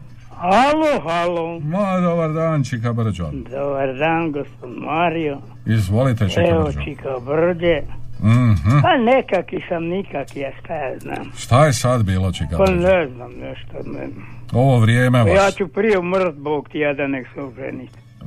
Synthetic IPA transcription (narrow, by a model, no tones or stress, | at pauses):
haloɦalomad̪obaɾd̪aːnt͡ʃikabr̩d͡ʒod̪obard̪aːnɡospod̪maɾijo | izʋolit̪et͡ʃiɛot͡ʃikabrd͡ʒe | h̩panekakisamnikakiast̪ajazna̰ːmʃt̪ajesad̪biːlot͡ʃikapanɛznamnɛʃt̪a̰nɛ̰oʋoʋɾjeːmejaːt͡ʃupɾijeumrt̪bokt̪iad̪aneksoʒɛ̰nit̪